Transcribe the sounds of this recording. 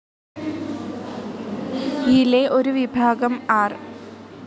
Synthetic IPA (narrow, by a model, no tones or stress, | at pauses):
ileʔoɾuʋibʱaːɡɐmaːr